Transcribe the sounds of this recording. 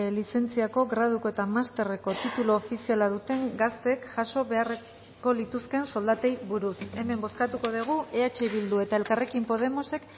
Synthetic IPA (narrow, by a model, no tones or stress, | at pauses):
lise̞nt͡siako̞ɣɾað̞uko̞et̪amast̪e̞re̞ko̞t̪it̪uloːfisialaðut̪e̞ŋɡast̪e̞kʝaso̞βe̞are | ko̞lit̪uske̞nso̞ld̪at̪e̞jβuɾuse̞me̞mbo̞skat̪uko̞ð̞iɣ̞uʔeat͡ʃeβild̪ue̞t̪ae̞lkare̞kimpo̞ð̞e̞mo̞se̞k